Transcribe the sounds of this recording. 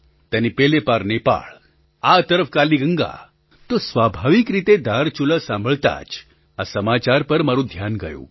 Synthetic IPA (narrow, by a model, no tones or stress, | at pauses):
t̪anipelepaɾnepa̰ɭ | at̪əɾəfkaliɡəŋɡa̰ | t̪osʋabʱaʋikɾit̪ed̪ʱaɾt͡ɕuləsãmbʱəɭt̪a̰t͡ʃ | asəmat͡ɕaɾpəɾmaɾud̪ʱjanɡəjo̰ː